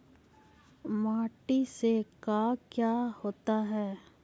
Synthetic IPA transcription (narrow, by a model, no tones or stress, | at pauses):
maːʈisekaːkjaːhoːt̪aɦɛː